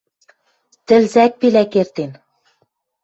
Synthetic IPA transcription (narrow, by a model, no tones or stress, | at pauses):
t̪ɘ̆lzæk̚pilækert̪en